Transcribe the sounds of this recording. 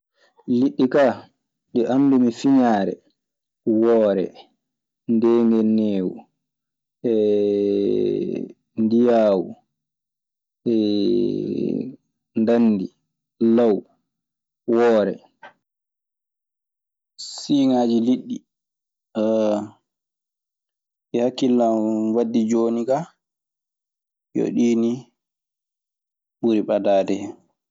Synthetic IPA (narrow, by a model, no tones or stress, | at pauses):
liɗːika | ɗɛʔamdumifiɲaːɾɛ̰ | wɔːɾɛ̰ | ndeːŋɡɛneːwṵ | ɛ | ndijaːwu | ɛ | ndanːdi | law | wɔːɾɛ̰ | siŋaːd͡ʒiliɗːi | ɛhakːilːamwadːid͡ʒoːniɡa | jo̰ɗiːni | ɓuɾiɓadaːdɛ